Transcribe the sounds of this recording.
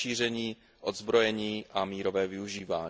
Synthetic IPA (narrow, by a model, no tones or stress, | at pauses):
iːr̝ɛɲiː | ʔod̪zbɾojɛɲiːʔamiːɾovɛːvɪuʒiːvaːɲ